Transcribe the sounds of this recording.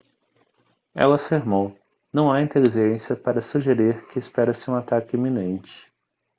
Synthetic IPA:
ɛ̰lɐfeɾmow | nɐ̃w̃aĩnt̪eliʒʒẽsiɐpaɾɐsuʒeɾeɾkɪːspɛɾɐsɪũat̪akɪimĩnẽnt͡ʃɪ̥

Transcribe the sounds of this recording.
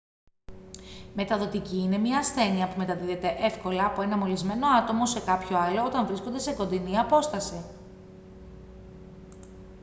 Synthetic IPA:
me̞t̪ɐðo̞t̪iciːne̞mɲɐːsθe̞niɐpume̞t̪ɐðiðe̞t̪e̞ʔe̞fko̞lɐːpoe̞nɐmo̞lizme̞no̞ɐt̪o̞mo̞se̞kɐpço̞ɐlo̞ot̪ɐɱvɾiskond̪e̞se̞ko̞nd̪iniɐpo̞st̪ɐsi

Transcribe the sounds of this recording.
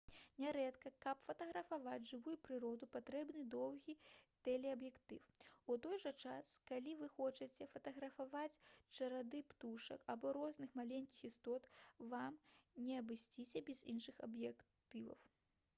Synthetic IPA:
nʲɛɾɛt̪kɐkɐpfɐt̪ɐɣɾɐfavad͡zʲʐɨvujupɾɨɾɔd̪upat̪ɾɛbnɨd̪ɔwɣʲit̪ɛlʲɛɐbjɛkt̪ɨfut̪ɔjʐɐt͡ʂaskalʲivɨxɔt͡ʂɐt͡sʲɛfɐt̪ɐɣɾɐfavat͡sʲt͡ʂɐɾad̪ɨpt̪uʂɐ̰kabɔɾɔznɨxmalʲenʲkʲixist̪ɔt̪vamnʲɛɐbɨsʲt͡sʲisʲɛbʲɛzinʂɨxɐ̰bjɛkt̪ɨvɐ̰w

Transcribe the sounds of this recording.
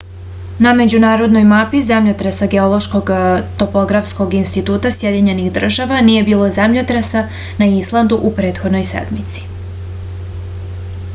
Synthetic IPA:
name̞d͡ʑunaːɾo̞d̪no̞jmapizemʎot̪ɾesaɡeo̞lo̞ʃko̞ɡt̪o̞po̞ɡɾafsko̞ɡinst̪it̪uːt̪asje̞d̪iɲe̞nixd̪r̩ʒaʋanije̞biːlˠo̞zemʎot̪ɾesa | naislˠand̪uʔupɾe̞ːt̪xo̞d̪no̞jsḛd̪mit̪si̥

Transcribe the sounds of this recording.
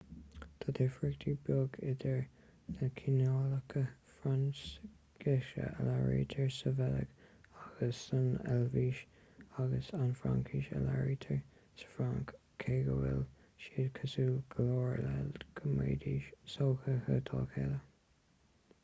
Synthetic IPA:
t̪ʰad̪ɪfɹɪkt̪ʰibjoɡɪd̪əɹ | ləkʰinoːləkʰəfɹans | ɡɪʃə̰əlaɹḭːt̪ʰəɹsəvɛlə̰ɡ̥aɡ̥əsːənɛlviːʃ | aɡəsanfɹa̰ŋkʰiʃə̰la̰ɹiːt̪ʰəɹ | sə̥fɾaŋkʰː | eːɡəwɪ̰l | ʃiːdkʰəsuːɡ̥əloːɹlɛlɡ̥ʰəmeːd̪iːʃsoːxəhət̪ʰɑːkʰɛlə

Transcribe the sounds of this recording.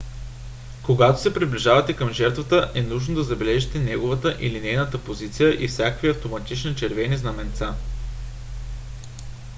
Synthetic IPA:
koɡat̪o̥sɛpɾibliʒavɐt̪ɛkəmʒɛɾt̪vət̪əʔɛnuʒnod̪ɐzɐbɛlɛʒit̪ɛnɛɡovət̪əʔilinɛjnət̪əpozit̪sijəʔifsʲjakəkviɐft̪omɐt̪it͡ʃnit͡ʃɛɾvɛniznɐmɛnt̪sa

